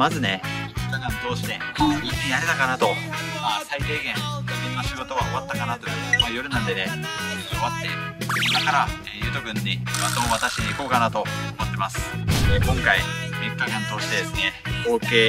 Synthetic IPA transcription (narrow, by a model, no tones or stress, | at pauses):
mazɨne̞mʲikːakãnt̪o̞ːɕi̥t̪e̞ikːijaɾe̞t̪akanat̪o̞masait̪e̞ːɡẽ̞ŋd̪õ̞nːaɕiɡo̞t̪o̞βaoβat̪ːakanat̪o̞jɯ̟majo̞ɾɯ̟nãnd̪e̞ne̞oβat̪ːe̞d̪akaɾaejɯ̟ːt̪oɡɯ̟̃ɲ̟ːimat̪omoβat̪aɕiɲiiko̞ːkanat̪o̞omot̪ːe̞masɨ̥ekõŋkaimʲikːakãnt̪o̞ːɕi̥t̪e̞d̪e̞sɨne̞ko̞ːke̞ː